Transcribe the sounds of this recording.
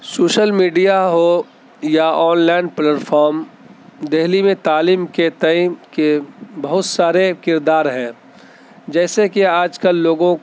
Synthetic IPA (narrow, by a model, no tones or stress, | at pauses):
soːʃəlmiːɖijaɦo | jaɔːnlaːɪnpleʈfʰɔːɾm | d̪ɛɦlimẽt̪aːliːmket̪əĩkebɐɦʊt̪saːɾekɪɾd̪aːɾɦɛ̃ː | d͡ʒɛːsekiaːd͡ʒkəlːoːɡõ